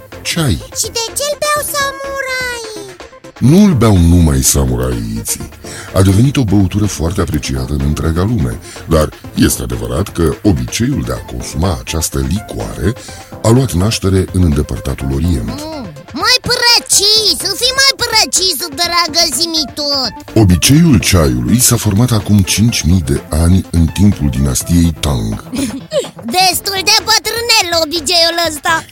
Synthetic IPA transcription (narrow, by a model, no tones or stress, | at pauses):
t͡ʃajʃid̪e̞t͡ʃelbeawsamuɾaj | nulbawnumajsamuɾa̰jḭt̪sḭad̪e̞ve̞nit̪o̞bəut̪uɾəfoart̪e̞apɾe̞t͡ʃiat̪əɨnɨnt̪ɾaɡalume̞̰ | d̪arje̞st̪e̞ad̪e̞və̰ɾat̪kəo̞bit͡ʃe̞juld̪e̞a̰ko̞̰nsumaːt͡ʃast̪əlikua̰ɾe̞ | aluat̪naʃt̪e̞ɾe̞ʔɨnɨnd̪e̞pərt̪at̪ulo̞ɾie̞̰nt̪ | majpɾet͡ʃisɨfimajpɾet͡ʃisud̪ɾaɡəzimit̪ot̪ | o̞bit͡ʃe̞jult͡ʃajṵlujsafo̞rmat̪akumt͡ʃint͡ʃʲmijd̪e̞anʲɨnt̪impuld̪inast̪ije̞jt̪aŋɡ | d̪est̪uld̪epət̪ɾɨnelobit͡ʃejuləst̪a